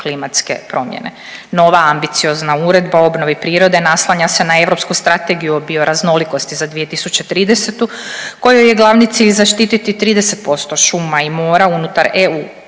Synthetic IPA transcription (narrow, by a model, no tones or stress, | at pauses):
klimat̪ske̞̰pɾo̞mjḛnḛ | no̞ʋaambit̪sio̞znauɾe̞d̪baoo̞bno̞ʋipɾiːɾo̞d̪e̞naslˠaɲase̞nae̞ʋɾo̞pskust̪ɾat̪e̞ɡijuobioɾazno̞liko̞st̪izad̪ʋije̞t̪isut͡ɕet̪ɾiːd̪ese̞t̪uko̞jojeɡlˠaʋnit̪siːʎzaʃt̪iːt̪it̪it̪ɾiːd̪ese̞t̪̚po̞st̪o̞ʃumaimo̞ːɾaunut̪aɾeuː